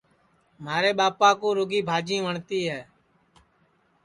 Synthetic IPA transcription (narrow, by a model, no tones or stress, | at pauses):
maːɾeːɓaːpaːkũːɾʊɡiːbʱaːd͡ʒĩːʋəɳt̪iːɦɛː